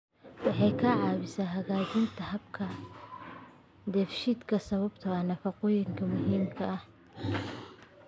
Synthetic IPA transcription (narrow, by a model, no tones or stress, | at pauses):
wɑħɑjkʰɐʕɑːβɪsaːɦɐɣaːt͡ʃɪnt̪ʰɐɦɐbkʰɐ | d̪ɛfʃɪd̪kʰɐsɐβɐbt̪ʰɐɐnɐfɐqʊjɪŋkʰɐmʊɦiːmkʰɐɐh